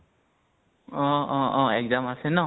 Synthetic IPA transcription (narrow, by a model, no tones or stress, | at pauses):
ɔɔɔɛk̚zamasɛnɔ